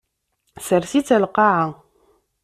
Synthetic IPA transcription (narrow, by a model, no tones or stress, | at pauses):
səɾθit͡sælqɑʕa